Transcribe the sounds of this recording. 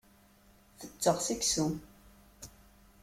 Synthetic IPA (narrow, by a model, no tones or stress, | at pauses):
θət͡sːəʁsiksu